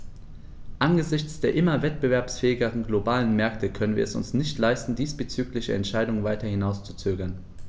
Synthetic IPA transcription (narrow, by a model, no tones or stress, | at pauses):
ʔanɡəzɪçt͡sd̥eːɐʔɪmɐvɛtb̥əvɛɐpsfɛːɪɡəʁənɡlobaːlənmɛɐktʰəkʰœnənviːɐɛsʊ̰nsnɪçtlaɪstn̩diːsb̥ət͡syːklɪçəɛ̰ntʃaɪdʊŋənvaɪtɐhɪnaʊst͡su̥t͡søːɡɐn